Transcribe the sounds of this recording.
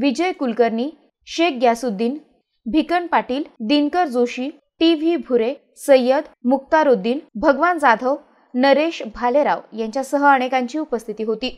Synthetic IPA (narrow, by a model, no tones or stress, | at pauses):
ʋid͡ʑəjkulkəɾɳiː | ɕek̚ɡjasud̪ʱːiːn | bʱikəɳpaʈiːld̪iŋkəɾd͡zoɕiː | ʈiʋibʱuɾe | səjːəd̪muk̚t̪aɾod̪iːnbʱəɡʋand͡zad̪ʱəw | nəɾeɕbʱaleɾa̰ʋjãɲt͡ɕjasəɦəaɽ̃ekaɲt͡ɕiːupəst̪ʰit̪iːɦot̪iː